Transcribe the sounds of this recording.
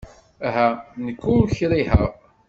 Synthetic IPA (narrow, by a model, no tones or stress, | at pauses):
æɦænəkːulçɾihæ